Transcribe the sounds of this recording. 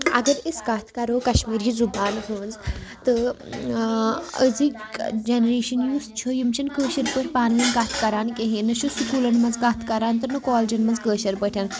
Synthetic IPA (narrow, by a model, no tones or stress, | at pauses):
ɐ̰ɡəɾiskaːt̪ʰkɐɾoːkɐɕmiːɾid͡zubaːnɦəːnd͡zt̪ə | əd͡zikd͡ʒenɾeːɕənjuːst͡ʃʰojimʃɐnkəːɕɐɾpəʈʰʲpaːnlɐnɡaːt̪ʰkɐɾaːnkeɦĩnɐɕuskuːlɐnmɐd͡zɡaːt̪ʰkɐɾant̪ɐnɐkɔːld͡ʒɐnmɐd͡zkəːɕɐɾpəʈʰjan